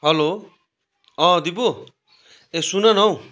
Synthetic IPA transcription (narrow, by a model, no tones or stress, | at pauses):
ɦʌlo | ʌ̃d̪ibo | esunʌnʌw̃